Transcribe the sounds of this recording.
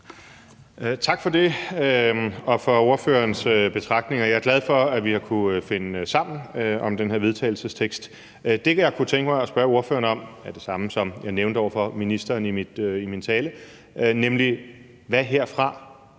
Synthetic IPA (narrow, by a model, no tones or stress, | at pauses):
t͡sʰɑ̈ɡ̥fɒ̽d̥e̝øɒ̽fɒ̽o̝ɐfø̰ːɐnsøb̥e̝t͡sʰʁɑ̈ɡ̥̚ne̝ŋɐjɑ̈ɪæɐɡ̥læð̞ˠfɒ̽æʋihɑ̈kʰuøfe̝nsɑ̈m̰n̩øɒ̽md̥enɦe̝ɐ̰ʋeð̞ˠt͡sʰɛ̰ːɪl̩səst͡sʰeɡ̥sd̥ | d̥e̝kʰæjɑ̈ɪkʰut͡sʰeŋɡ̥əmɑ̈ɪɒ̽sb̥ɶɐo̝ɐfø̰ːɐnɒ̽mæɐd̥e̝sɑ̈məsɒ̽mjɑ̈ɪneʊnd̥əɒ̰ʊɐfɒ̽minisd̥ɐːnimid̥imint͡sʰɛːlə | nemli | ʋæɦe̝ɐ̰fʁɑ̈